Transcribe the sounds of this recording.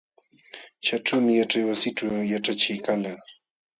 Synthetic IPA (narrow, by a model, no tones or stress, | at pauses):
t͡ʃaʈ͡ʂawmɪjaʈ͡ʂajwasɪʈ͡ʂawjaʈ͡ʂat͡ʃɪjkala